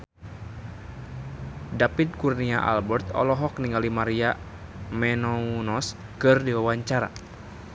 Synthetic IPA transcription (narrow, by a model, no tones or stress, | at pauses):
dapit̪̚kurniaʔa̰lbɛrt̪ɔ̰lɔɦɔk̚niŋɡalimaɾia | mɛnɔunɔs | kɨrdiwawaɲt͡ʃaɾa̰